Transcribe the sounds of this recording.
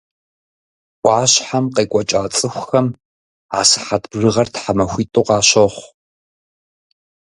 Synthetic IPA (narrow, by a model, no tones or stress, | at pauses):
ʔʷʼɑːɕħamqeːkʷʼɔt͡ʃʼaːt͡sʼɨxʷxɐm | a̰ːsɨ̥ħatʰbrɨʁɐrtħamɐxʷiːtʼoqɑːɕɐχʷ